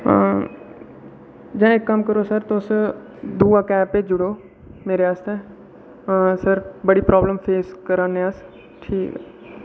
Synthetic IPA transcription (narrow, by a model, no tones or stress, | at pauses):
d͡ʒɛ̃ːɪkːəmkəɾoːsəɾt̪oʊs | d̪uːaːkɛːpːed͡ʒʊɽoː | meːɾeaːst̪e | səɾbəɽiːpɾaːbləmfʰeːskəɾãːnẽəs | ʈʰiːkɛː